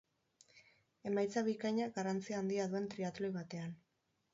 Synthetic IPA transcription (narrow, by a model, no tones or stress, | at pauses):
e̞majt͡saβikajɲaɡarant͡siaːnd̪iaðue̞nt̪ɾiat̪loijβat̪e̞an